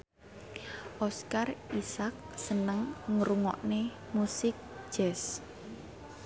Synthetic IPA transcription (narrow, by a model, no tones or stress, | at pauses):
ʔɔskarisak̚sənəŋŋəɾuŋɔ̰ʔne | musɪk̚ʒ̥ɛs